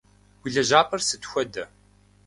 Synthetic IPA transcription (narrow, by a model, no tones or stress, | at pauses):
wiɮɐʒaːpʼɐrsɨtxʷɔdɐ